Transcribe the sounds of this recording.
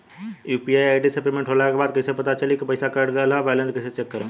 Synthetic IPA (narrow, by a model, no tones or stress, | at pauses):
juːpiaːjaːɖɪsəplimẽɳʈʰɦoːlakebaːd̪̚kɐɪsepɐt̪at͡ʃɐlikipɐɪsakaɾɖɡəlɦaʋaːɪlə̃nskɐɪset͡ʃeːkːəɾẽ